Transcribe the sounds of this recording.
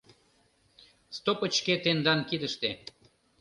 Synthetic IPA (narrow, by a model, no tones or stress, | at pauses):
st̪opə̆t͡ɕket̪end̪ɑnkid̪əʃt̪e